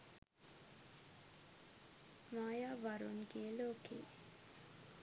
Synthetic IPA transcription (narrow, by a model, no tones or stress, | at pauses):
maːjaːʋaɾunɡiəloːkḛː